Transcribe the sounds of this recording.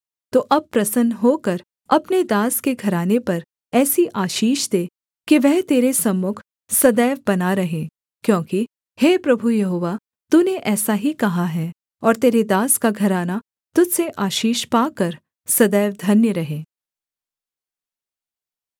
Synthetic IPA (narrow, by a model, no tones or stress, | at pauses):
t̪oːʔɐb̚pɾɐsənɦoːkɐɾ | ɐpned̪aːskeɡʱɐɾaːnepɐɾ | ɛːsiʔaːʃiːʃd̪eː | kiʋɛɦt̪eːɾesɐmːʊkʰ | sɐd̪ɛːʋbɐnaɾɐɦẽː | kjõːki | heːpɾɐbʱujɐɦoːʋa | t̪uneʔɛːsaɦikɐɦaɦɛː | ɔːɾt̪eːɾed̪aːskaɡʱɐɾaːna | t̪ʊd̪seʔaːʃiːʃpaːkɐɾ | sɐd̪ɛːʋd̪ʱɐnjəɾɐɦẽː